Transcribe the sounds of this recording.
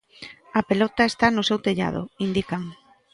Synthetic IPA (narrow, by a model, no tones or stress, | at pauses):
apelɔt̪aest̪anʊsewt̪eʎa̰ð̞ʊ̰ind̪ikaŋ